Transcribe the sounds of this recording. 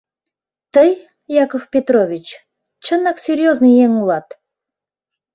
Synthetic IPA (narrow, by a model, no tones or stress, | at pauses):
t̪əj | jakofpʲet̪ɾovʲit͡ɕ | t͡ɕənːaksʲɪɾʲjoznɨjjeŋulˠɑt̪